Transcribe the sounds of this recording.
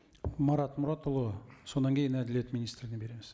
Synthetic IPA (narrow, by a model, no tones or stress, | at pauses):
mɑɾɑt̪mʊɾɑt̪olˠusonːɑŋkijɘnæd̪ɪlʲijæt̪minʲist̪rʲɪnebiɾemɘz